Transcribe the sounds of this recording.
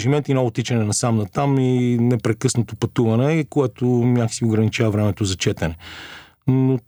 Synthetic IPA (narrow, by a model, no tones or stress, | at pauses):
ʒimɛnt̪inɔot̪it͡ʃɐnɛnɐsamnɐt̪aminɛpɾɛkɤsnot̪opɐt̪uvɐnɛkoɛt̪omjaksioɡɾɐnit͡ʃavɐvɾɛmɛt̪ozɐt͡ʃɛt̪ɐnɛ | no